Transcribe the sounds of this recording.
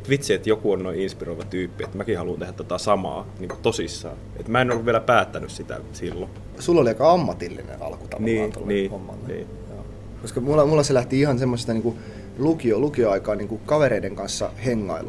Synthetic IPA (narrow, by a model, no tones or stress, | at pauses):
t̪ʋit̪siet̪jokuonnoiinspiroiʋɑt̪yːpːiet̪mækihɑluːnt̪ehæt̪ot̪æsɑmɑ̰ːniːŋkut̪osisːɑ̰ː | et̪mæenolːuʋieælæpæːt̪ːænyssit̪æ̰silːo | sulːoliɑikɑɑmːɑt̪ilːḭnḛɑ̰lku̥t̪ɑ̰lnoniːt̪o̰lːniːhomːɑ̰lːenḭː | joː | koskɑmulːɑmulːɑselæht̪iihɑnsemːosest̪ɑniːŋku | lukiolukioɑikɑːniːŋkukɑʋeɾeideŋkɑnsːɑ̰heŋːɑ̰il